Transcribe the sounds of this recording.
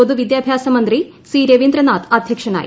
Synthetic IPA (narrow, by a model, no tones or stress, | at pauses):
od̪uʋid̪jaːbʱjaːsɐmɐnd̪ri | siːɾɐʋind̪ɾɐnaːt̪ɐd̪ʱjɐkʂɐna̰ːjḭ